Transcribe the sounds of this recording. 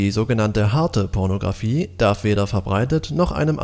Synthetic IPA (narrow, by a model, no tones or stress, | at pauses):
zoːɡənantəɦaɐtəpʰɔɐnoɡʁa̰fiːd̥aɐfv̥eːɾɐfɛɐbʁaɪtətnɔχʔa̰ɪnəmʔ